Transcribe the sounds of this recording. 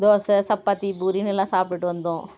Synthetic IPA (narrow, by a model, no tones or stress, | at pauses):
d̪oːsɐsɐpːaːt̪ːibuːɾinɛlːãːsaːpʈiʈːɯʋɐnd̪õː